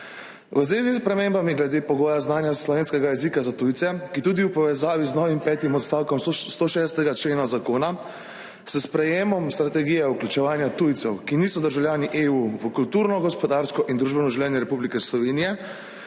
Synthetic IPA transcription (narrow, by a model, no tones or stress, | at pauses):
ʋəzʋeːzispɾɛmeːmbamiɡlɛd̪eːpɔɡɔːjaznaːnjaslɔʋeːnskɛɡajɛzikazat̪ujt̪sɛkit̪uːd̪iwpɔʋɛzaːʋiznɔʋimpɛːt̪jimɔt̪st̪aːwkɔmst̪oʃɛːst̪ɛɡat͡ʃleːnazakoːna | səspɾɛjeːmɔmst̪ɾat̪ɛɡijɛuklʲut͡ʃɛʋaːnjat̪ujt̪sɛwkiniːsɔd̪əɾʒawlʲjaːniʔeːuʋəkult̪uːɾnɔɡɔspɔd̪aːɾskɔʔind̪ɾuːʒbɛnɔʒuwlɛːnjɛɾɛpublikɛslɔʋeːnijɛ